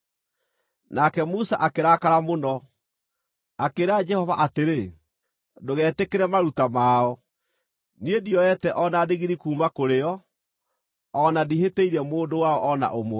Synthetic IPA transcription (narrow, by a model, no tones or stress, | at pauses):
nakɛmusaʔakeɾakaɾamonɔ | akeɾad͡ʒɛhɔva̰ʔateɾe | doɣɛːtekeɾɛmaɾutamaːɔ | niediɔɛtɛʔɔnadeɣiɾikuːmakoɾeɔ | nadiheteiɾɛmoːndowaɔʔɔna̰ʔomw